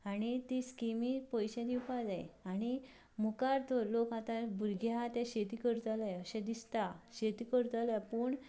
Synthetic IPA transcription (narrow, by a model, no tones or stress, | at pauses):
aɽ̃it̪iskimipɔjɕɛd̪iwpad͡zajaɽ̃i | mukaɾt̪ɔlokat̪ãbʱuɾɡʱjat̪ɛ̃ɕet̪ikəɾt̪alaəɕɛ̃d̪ist̪aɕet̪ikəɾt̪alapuːɳ